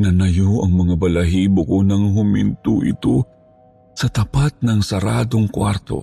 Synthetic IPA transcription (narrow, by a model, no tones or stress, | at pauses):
nɐnɐjoʔɐŋmɐŋabɐlɐɦibʊkonɐŋɦʊmɪ̰nt̪uʔɪ̰t̪o | sɐt̪ɐpat̪̚nɐŋsɐɾad̪oŋkwaɾt̪o̰